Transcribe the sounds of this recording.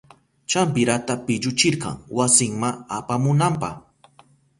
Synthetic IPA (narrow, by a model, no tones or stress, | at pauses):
t͡ʃampɪɾat̪apɪʎʊt͡ʃɪɾqɑ̰ŋwasɪŋmaapamʊnampɑ̰χ